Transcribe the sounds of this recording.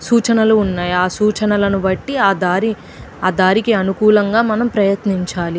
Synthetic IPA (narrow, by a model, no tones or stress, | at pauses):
suːt͡ʃɐnɐluːnːaːjaːsuːt͡ʃɐnɐlɐnuʋɐʈːiaːd̪aːɾi | aːd̪aːɾikiɐnukuːlɐŋɡaːmɐnɐmpɾɐjɐt̪niɲt͡ʃaːli